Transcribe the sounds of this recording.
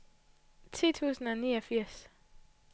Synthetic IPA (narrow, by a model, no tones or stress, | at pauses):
t͡sʰḭːt͡sʰṵːsn̩ɒniːɒfiɐ̰s